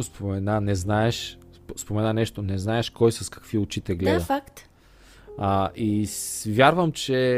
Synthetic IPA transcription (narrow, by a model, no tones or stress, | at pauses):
ospomɛnanɛznaɛʃ | spomɛnanɛʃt̪onɛznaɛʃkɔjsɐskɐ̥kviʊt͡ʃit̪ɛɡlɛd̪əfakt̪ | aʔivʲjaɾvəmt͡ʃɛ